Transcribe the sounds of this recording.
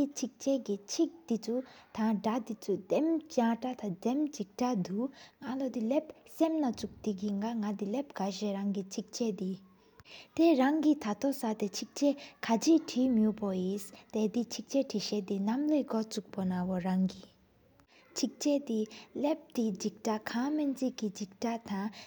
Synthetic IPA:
it͡ɕʰik̚t͡ɕɛːkit͡ɕʰik̚t̪it͡sʰut̪ʰaŋɖ͡ʐat̪it͡sʰud̪emt͡ɕaʈ͡ʂat̪ad̪emt͡ɕik̚ʈ͡ʂad̪uŋalod̪ilep̚semnat͡suk̚t̪ikiŋaŋad̪ilep̚kaɕɛːɹaŋkit͡ɕʰik̚t͡ɕɛʔd̪i | t̪eɹaŋkit̪ʰat̪osat̪et͡ɕʰik̚t͡ɕɛːkʰat͡ɕʰiʈ͡ʂʰiːmjuʔpɔjist̪et̪it͡ɕʰik̚t͡ɕɛʈ͡ʂʰiɕɛːt̪inamleɡɔt͡suk̚pɔnawɔɹaŋki | t͡ɕʰik̚t͡ɕɛːt̪ilep̚t̪id͡ʑik̚ʈ͡ʂaʔkʰament͡siʔkːid͡ʑik̚ʈ͡ʂaʔt̪aŋ

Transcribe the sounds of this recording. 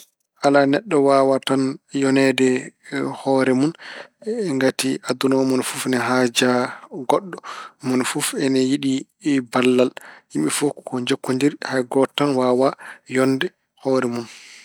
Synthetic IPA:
ʔalanɛɗːɔwawatanjɔnɛdɛhɔɾɛmun | ŋɡatiadunɔmɔnfufnɛɦaːd͡ʒaɡɔɗːɔmɔnfufɛnɛjiɗi | balːalhimɓifukkɔɲd͡ʒokːundiɾhajɡɔtːanwaːwajɔnːdɛ | hɔɾɛmun

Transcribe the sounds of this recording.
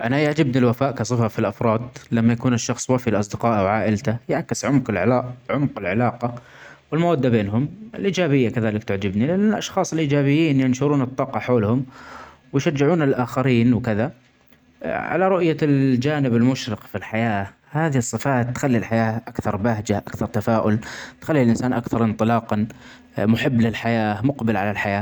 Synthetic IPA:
ʔanajɪʕd͡ʒɪbnilwafaːʔkɑsˤɨfafilʔɑfɾˤɑːd̪lamːajakuːnɪʃːɑxsˤwafilʔɑsˤd̪ɪqɑːʔwʕaːʔɪlt̪ajaʕkɪsʕʊmqɪlʕɪ̰lɑːʔʕʊmqɪlʕɪlɑːqɑ | wɪlmawad̪ːabeːnɦʊmɪ̰lʔiːd͡ʒaːbɪjːakaðaːlɪkt̪aʕd͡ʒɪbnilɪʔanːlʔɑ̰ʃxɑːsˤɪlʔiːd͡ʒaːbɪjːiːnjɪnʃʊɾuːnɨt̪ˤːɑːqɑħoːlhʊm | wɪjʃad͡ʒːɪʕuːnɪlʔaːxaɾiːnwkɪða | ʕa̰laɾˤʊʔjald͡ʒaːnɪbɪlmʊʃɾɪqfilħajaː | haːðiɨsˤːɨfaːt̪ːxalːilħajaːʔakθɑɾˤbaɦd͡ʒaʔakθɑɾˤt̪afaːʔʊlt̪xalːilʔɪnsaːnʔakθɑɾˤʔɪnt̪ˤɨlɑːqɑ | mʊħɪbːlɪlħajaːmʊqbɪlʕalalħajaː

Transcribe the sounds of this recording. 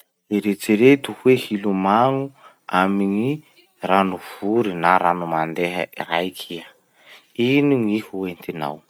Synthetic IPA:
eɾet͡siɾet̪uhwehilumaŋu | amiɲi | ranuv̥uɾinaɾanumand̪eɦə̰ḭrajkʰia | iniŋihuent̪ina̰w

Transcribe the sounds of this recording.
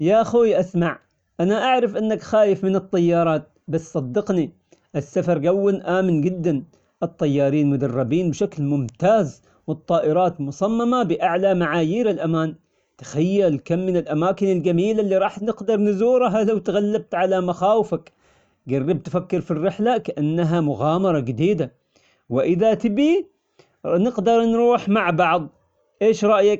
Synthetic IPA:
jaʔaxuːjʔasmaʕ | ʔanaʔaʕɾˤɪfʔɪnːakxaːjɪfmɪnɨt̪ˤːɑjːɑːɾˤɑːt̪̚ | bassˤɑd̪ːɪqni | ʔɪsːafɑɾˤɡawːɪlʔaːmɪnd͡ʒɪd̪ːan | ʔɨt̪ˤːɑjːɑːɾiːnmʊd̪ɑrˤːɑbiːnbʃaklmʊmt̪aːz | wɨt̪ˤːɑːʔɪɾˤɑːt̪mʊsˤɑmːamabɪʔaʕlamaʕaːjiːɾɪlʔamaːn | t̪ḁxajːalkamːɪnɪlʔamaːkɪnɪlɡamiːlalːiɾˤɑːħnɪɡd̪ɑɾˤnɪzuːɾˤɦalawt̪aɣalːab̚t̪ʕalamaxaːwɪfak | ɡarːɪb̚t̪fakːɪɾfirːɪħlakaʔanːaɦamʊɣɑːmɑɾˤɑd͡ʒɪd̪iːd̪a | wɪʔɪðat̪ɪbi | nɪqd̪ɑɾˤnɾuːħmaʕbɑʕðˤ | ʔeːʃɾˤɑʔjak̚

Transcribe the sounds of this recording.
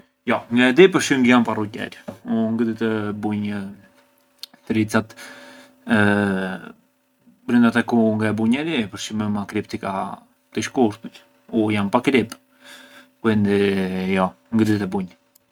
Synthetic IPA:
jɔŋɡaɛd̪ipəɾʃiŋɡjamparucɛ̰ɾuŋɡəd̪it̪əbuɲə | t̪əɾit͡sat̪ | bɾind̪at̪ɛkuŋɡaɛbuɲɛɾipəɾʃimɛmakɾipt̪ika | t̪iʃkuɾt̪it̪ | ujampakɾip | kuɛnd̪ɛjɔ | ŋɡəd̪t̪ɛbuɲ

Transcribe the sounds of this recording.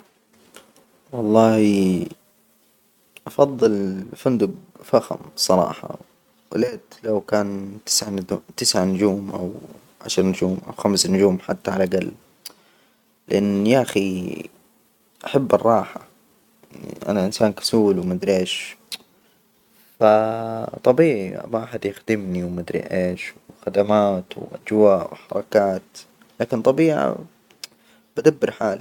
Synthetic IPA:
wɑlˤːɑːhi | ʔɑfɑðˤːɨlfʊnd̪ʊbfaxa̰msˤɑɾˤɑ̰ːħɑ̰ | wɪleːt̪lawkaːnt̪ɪ̥sʕt̪ɪsʕanʊd͡ʒuːmʔa̰w | ʕa̰ʃɾˤnʊd͡ʒuːmʔa̰wxamsnʊd͡ʒuːmħat̪ːaʕalaɡalː | lɪ̰ʔanːjaʔxi | ʔaħabːɪrˤːɑːħa | ʔa̰naʔɪnsaːnkḁsuːlwmad̪ɾeːʃ | fat̪ˤɑbiːʕḭmaʔaħad̪jɪxd̪ɪmniwmad̪ɾḭʔeːʃwxad̪amaːt̪wʔa̰d͡ʒwaːʔwħɑɾˤɑkaːt̪ | laːkɪnt̪ˤɑbiːʕa̰ | b̥ad̪abːɪɾħaːl

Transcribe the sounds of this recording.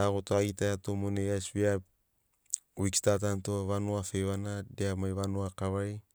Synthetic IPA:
aɡotoajtajatomonejasbia | wikstat̬antoβanoafeβanadeamajβanoakaβaj

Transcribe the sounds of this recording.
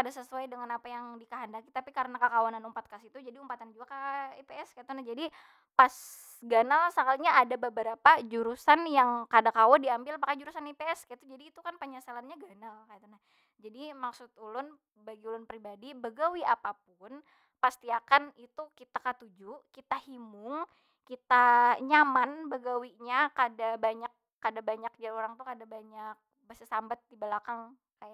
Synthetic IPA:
kadasəsuajdəŋanapajaŋdikaɦandakit̪apikaɾənakakawananumpat̪̚kasit̪ud͡ʒadiumpat̪and͡ʒuakaipeɛskait̪unahd͡ʒadi | pas | ɡanalsakalɲaʔːdabəbəɾapad͡ʒuɾusanjaŋkadakawandiambɪlpakad͡ʒuɾusanipeɛskait̪ud͡ʒadiːt̪ukanpəɲasalanɲaɡanalkajat̪unah | d͡ʒadimaksʊt̪ulʊn | baɡiulʊnpɾibadibəɡawiapap̚ʊn | past̪iakanit̪ukit̪akat̪ud͡ʒukit̪ahimʊŋ | kit̪aɲamanbəɡawiɲakadabaɲakː | adabaɲak̚ɲaoɾaŋt̪ukadabaɲak̚bəsəsambat̪̚dibəlakaŋ | kaja

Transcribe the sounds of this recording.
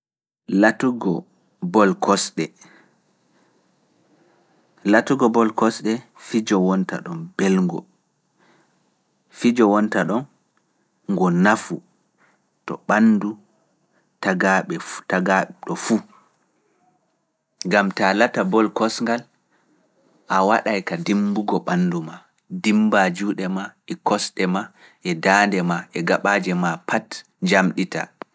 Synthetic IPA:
latuɡɔ | bɔlkʰɔsɗɛ | latuɡɔbɔlkɔsɗɛ | fid͡ʒɔwɔnta̰ɗɔnbɛlŋɡɔ̰ | fid͡ʒɔwɔntaɗɔn | ŋɡɔnafu | tɔ̰ɓanːdu | taɡaɓɛtaɡaɗɔfu | ŋɡamtalatabɔlkɔsŋɡal | ʔawaɗajkadimbuɡɔɓanːduma | dimbad͡ʒuːɗɛmaɛkɔsɗɛma | ʔɛdandɛmaʔɛɡaɓaːd͡ʒɛmapʰat | ɲd͡ʒamɗita̰

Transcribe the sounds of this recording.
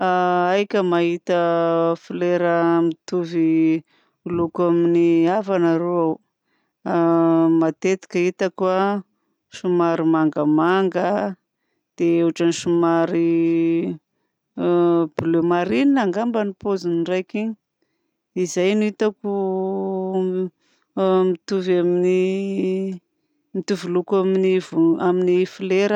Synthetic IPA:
aajkʲəmaɦit̪əfileɾəmit̪uvi | ulukaminiavanaɾoaw | mat̪et̪i̥kʲəit̪akua | ʃumaɾimaŋɡəmaŋɡə | d̪̥eeʈ͡ʂaniʃumaɾi | b̥ulemaɾininaŋɡambanipozinrajkiɲi | izajnuit̪aku | mit̪uvamini | mit̪uvulukaminivaminifileɾə

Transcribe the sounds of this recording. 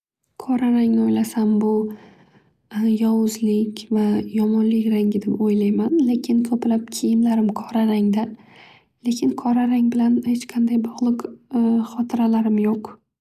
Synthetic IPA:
kʰɒɾaɾaŋnɪojlasambʊ | jɒwʊzlɪkʲvajɒmɒnlɪkʲɾaŋɡʲɪd̪ɪpojlajmanle̞kʲʰɪnkʰɵplap̚kʲʰejɪmlaɾɪmkʰɒɾaɾaŋd̪a | le̞kʲʰɪnkʰɒɾaɾaŋbɪlanhet͡ʃqʰɑnd̪ajbɒʁlˠɨqχɒt̪ʰɪɾalaɾɪmjoq

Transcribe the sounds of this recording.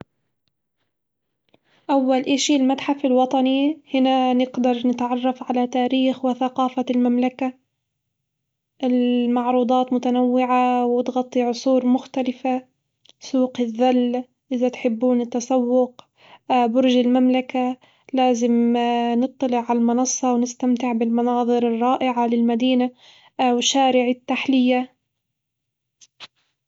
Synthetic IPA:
ʔawːalʔɪʃilmat̪ħafɪlwɑt̪ˤɑnihɪnanɪɡd̪ɑɾˤnɪt̪ʕɑrˤːɑfʕalat̪aːɾiːxwɪθaqɑːfalmamlaka | ʔɪlmɑʕɾuːd̪ˤɑːt̪mʊt̪anawːɪʕawɪt̪ɣɑt̪ˤːiʕʊsˤuːɾmʊxt̪alɪfa | suːqɪðːal | ʔɪðat̪ħɪbːuːnɪt̪ːɑsˤɑwːʊq | bʊɾʒɪlmamlaka | laːzɪmnɨt̪ˤːɑlɪʕʕalalmɑnɑsˤːɑwnɪst̪amt̪ɪʕbɪlmɑnɑːðˤɨɾɨrˤːɑːʔɪʕalɪlmad̪iːna | wɪʃːaːɾɪʕɪt̪ːaħlɪjːa

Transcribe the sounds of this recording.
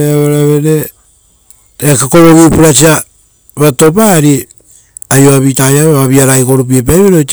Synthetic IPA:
eaβaɾaβeɾe | ekakoɾoɡipuɾas̬ia | βato̞paɾi | ajoaβitajaβeβaβiaɾajko̞ɾup̬iep̬ajβeɾot

